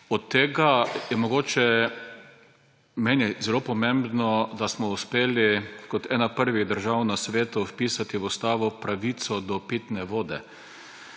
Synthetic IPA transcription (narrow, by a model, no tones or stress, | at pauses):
ɔt̪ːeːɡajɛmɔɡoːt͡ʃɛ | mɛːnizɛlopɔmẽmbnɔd̪asmɔuspeːlikɔt̪ɛːnapəɾʋiɣd̪əɾʒawnasʋeːt̪ʊwpiːsat̪iwʊst̪aːʋɔpɾaʋit̪sɔd̪ɔpit̪nɛʋoːd̪ɛ